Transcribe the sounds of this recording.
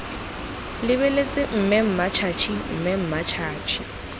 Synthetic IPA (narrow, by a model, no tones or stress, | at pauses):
lɪβelet͡sʼɪm̩mɛm̩mat͡ʃʰat͡ʃʰim̩mɛm̩mat͡ʃʰaːt͡ʃʰi̥